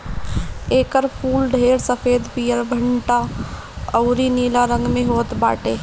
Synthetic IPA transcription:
eːkəɾpʰuːlɖʱeːɾsəpʰeːd̪piːjəɾbʱəɳʈa | əʊɾiniːlaɾə̃ŋɡmẽɦoːt̪ba̰ːʈeː

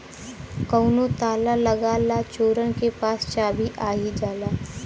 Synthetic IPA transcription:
kəːʊnot̪aːlaləɡalat͡ʃoːɾənkepaːst͡ʃaːbʱiʔaːid͡ʒaːlaː

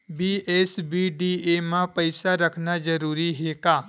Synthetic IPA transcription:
biːʔeːsbiːɖiːemãpəɪsaɾəkʰnad͡ʒəɾuːɾiɦekaː

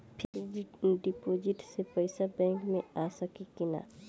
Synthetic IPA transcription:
pʰɪɾɖipoːd͡ʒɪʈsepɐɪsabɛ̃ːŋkmẽaːsakikɪna̰ː

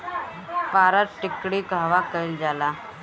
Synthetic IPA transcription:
paɾat̪ʈikɽiːɡʱaʋakəjld͡zala

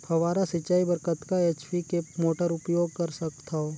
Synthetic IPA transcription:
pʰɐʋaːɾasɪt͡ʃːaːibəɾkət̪kaeːt͡ʃpikemoːʈəɾʊpjoːɡ̚kɐɾsɐkt̪ʰaoː

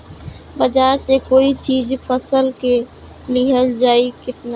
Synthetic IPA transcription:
bəd͡ʒaːɾsekoːit͡ʃiːd͡ʒpʰəsəlke | lɪɦəld͡ʒaːikɪt̪na

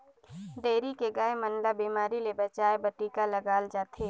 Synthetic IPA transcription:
ɖeːɾikeɡaːemɐnlabiːmaːɾilebɐt͡ʃaːebɐʈiːkalɐɡaːld͡ʒaːt̪ʰeː

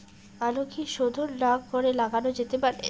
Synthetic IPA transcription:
alokʰiʃod̪ʱoɾɖaɡɡʱoɾelaɡanod͡ʑet̪epaɾḛ

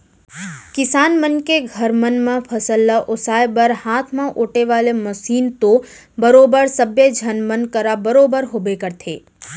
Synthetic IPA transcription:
kɪsaːnmənkeɡʱəɾmənmãpʰəsəlːaʔʊsaːjbəɾhaːt̪ʰmãʔoːʈeʋaːleməsiːnt̪o | bəɾoːbəɾsəbjed͡ʒʱənmənkəɾabəɾoːbəɾɦoːbekəɾt̪ʰeː

